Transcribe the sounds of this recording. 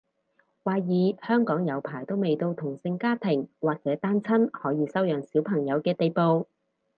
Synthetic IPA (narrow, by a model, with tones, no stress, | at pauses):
waː˨˧jiː˨˧hœː˥ŋkɔː˨˥ŋjɐ˨˧wpʰaː˨˩jt̪o˥wme˨jt̪o˧wt̪ʰʊ˨˩ŋsɪ˧ŋkaː˥t̪ʰɪ˨˩ŋwaː˨k̚t͡sɛː˨˥t̪aː˥nt͡sʰɐ˥nhɔː˨˥jiː˨˧sɐ˥wjœː˨˩ŋsiː˨˥wpʰɐ˨˩ŋjɐ˨˧wkɛː˧t̪e˨jpo˧w